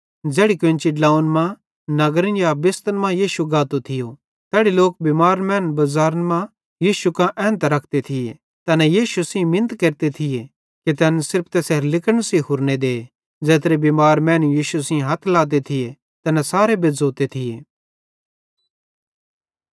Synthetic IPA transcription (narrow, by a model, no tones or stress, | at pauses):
d͡zɛːɽikʋɪ̃nt͡ʃiɖlaːʊnmã | nɐɡɾə̃njabɪst̪ənmãjiːʃuɡaːt̪ot̪ʰɪjo | t̪ɛːɽiloːk̚bimaːɾmɛ̃ːnbɐzaːɾənmã | jiːʃukãʔɛ̃ːnt̪ɾɐkʰt̪et̪ʰɪje | t̪ɐnɛjiːʃusĩmɪ̃nt̪keːɾt̪et̪ʰɪje | kit̪̬ɛːnsɪɾp̚ʰt̪ɛːseɾlɪkəɽ̃siɦʊɾned̪eː | d͡zɛːt̪ɾebimaːɾmɛ̃ːnujiːʃusɪ̃ɦɐt̪ʰlaːt̪̬et̪ʰɪje | t̪ɐnɛsaːɾebɪd͡zoːt̪et̪ʰɪjeː